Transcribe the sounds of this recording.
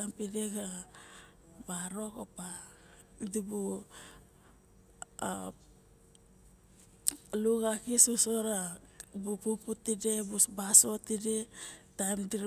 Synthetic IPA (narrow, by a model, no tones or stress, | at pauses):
ampideɡa | baɾo̞kopa | dibu | a | luɡakisusoɾabupuputide̞bubasotidetajmdiɾ